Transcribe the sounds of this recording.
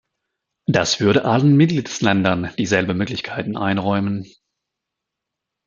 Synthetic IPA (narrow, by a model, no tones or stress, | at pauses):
d̥asv̥ʏɐɾəʔalənmɪt̚ɡ̥liːtslɛndɐnd̥iːzɛlbən̩møːklɪçkʰaɪtn̩ʔaɪnʁɔʏmən